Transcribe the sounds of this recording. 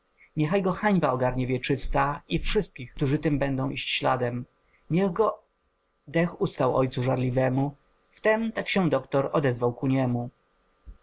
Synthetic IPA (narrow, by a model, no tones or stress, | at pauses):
mjɛxajɡɔxaɲbaɔɡaɾɲɛvʲjɛt͡ʂɘst̪aifʂɘst̪̚kʲixkt̪uʐɘt̪ɘmbɛnd̪ɔ̃w̃ʔiɕt͡ɕɕla̰d̪ɛm | mʲjɛɣɡɔ | d̪ɛxust̪awɔ̰jt̪suʐaɾlʲivɛmu | ft̪ɛmt̪akɕɛ̃d̪ɔkt̪ɔɾɔd̪ɛzvawkuɲɛmu